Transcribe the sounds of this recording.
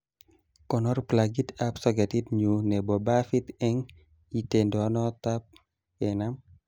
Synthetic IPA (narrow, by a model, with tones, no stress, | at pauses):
kɔ˨nɔ˦rplaɡitapsɔɡe˨tidɲu˨nɛ˨bɔ˨ba˦fi˦t̪ɛ˦ŋ | i˨t̪e˨ndɔ˨nɔ˦t̪a˦p̚ | ɛnam